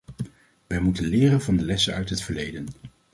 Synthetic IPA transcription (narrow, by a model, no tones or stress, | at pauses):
ʋɛjmutənlɪːrənvɑndəlɛsənœ̰ɥtɦətfəɹlejdən